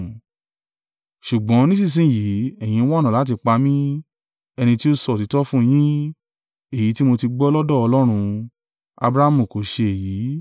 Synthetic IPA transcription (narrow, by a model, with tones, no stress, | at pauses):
ʃu˨ɡ͡bɔ̃˨˦nĩ˦sĩ˦˨s̬ĩ˦˨ji˨˦ɛ˦˨j̃ĩ˧˦wɔ˦˨ñã˨la˨˦t̬i˧k͡pa˧mĩ˦ | ɛ˧nĩ˧ti˦o˦sɔ˦˨ti˨˧˦tɔ˦fũ˦˧j̃ĩ˦ | e˦˨ji˨˦ti˦mo˧ti˧ɡ͡bɔ˦lɔ˦dɔ˦˨ɔ˧lɔ˦ɾ̃ũ˧ | a̰˧bɾa˦a˦mũ˦˨ko˨˦ʃe˧e˨ji˨˦